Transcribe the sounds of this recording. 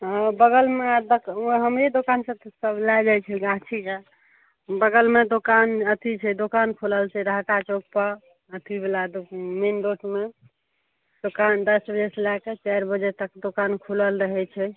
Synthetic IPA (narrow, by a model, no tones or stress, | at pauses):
əbəɡəlmead̪əɦəmed̪okansə̃t̪səblad͡ʒajt͡ʃʰɛɡãt͡ʃʰid͡ʒa | bəɡəlmed̪okanət̪ʰit͡ʃʰɛd̪okankʰuləlt͡ʃʰɛɾakat͡ʃoɡ̚pəɾ | ət̪ʰibelad̪omenɖoʈʰme | d̪̥okand̪əsbəd͡ʒeselaket͡ʃaɾbəd͡ʒet̪əkd̪okankʰuləlɾəɦɛt͡ʃʰɛ